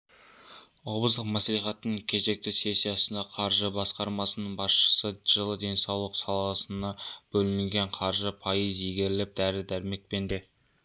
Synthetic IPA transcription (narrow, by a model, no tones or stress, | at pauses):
obəzd̪əqmæsliχɑt̪ːəɴkʲʰe̞ze̞k̚t̪ɪse̞sːijɑsənd̪ɑqʰɑɾʒəbɑsqɑɾmɑsənəɴbɑsʃə̥səʒəlˠəd̪e̞nsɑwlˠəqsɑlˠɑsənɑb̥ɵlɪnɪŋʲɡʲe̞ɴqʰɑɾʒəpʰɑjəziɡʲe̞ɾɪlep̚d̪̥æɾɪd̪æɾme̞k̚pe̞nd̪e